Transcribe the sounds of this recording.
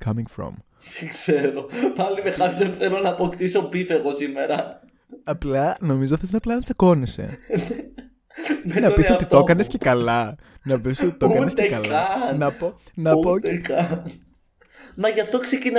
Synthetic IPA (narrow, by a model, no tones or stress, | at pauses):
kʰɐmĩŋfɾo̰m | kseɾopɐlimekɐpçonθelonɐːpokt̪iso̞pifeɣo̞sime̞ɾɐ | ɐplɐno̞mizot̪iθesnɐplɐnɐt͡sɐko̞nisḛ | menɐopisot̪it̪okɐnesce̞kɐlɐnɐpisot̪it̪okɐnnest̪eekɐlɐnɐponɐpoekɐ | mɐʝɐft̪o̞ksecin